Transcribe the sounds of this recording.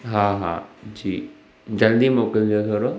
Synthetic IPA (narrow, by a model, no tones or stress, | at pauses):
ɦãɦã̰d͡ʑiː | d͡ʑɐld̪imoːkəld͡ʑot̪ʰoːɾo